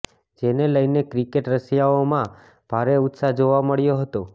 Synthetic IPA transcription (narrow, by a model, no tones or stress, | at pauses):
d͡ʒeneləjnekɾikeʈɾəsjaomã | b̥ʱaɾeʊt̪sad͡ʒoʋaməɭjoɦət̪o